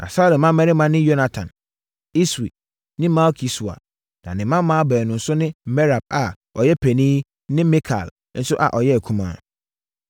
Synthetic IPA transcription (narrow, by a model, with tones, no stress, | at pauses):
a̰˨sa˦dɛ˨mã˦mɛ̃˦ɾɪ˦mã˦nɪ̃˦jo˦na˨tʰã̰˨n | i˦sḭ˨ | nɪ̃˦ma˦kʰi˨su˨a̰˨ | nã̰˨nɪ̃˨mã˦m˦mã˦bɛː˨nʊ̃˨n̩˨sʊ˦nɪ̃˦mɛ˦ɾa˨b̚a˨ | ɔ˨jɛ˦pʰɛ˨nĩː˦ | nɪ̃˦mĩ˦kʰa̰˨l | n̩˦sʊ˦ʔa̰˨ʔɔ˨jɛ˦æ˨kʰũ˦mã̰ː˦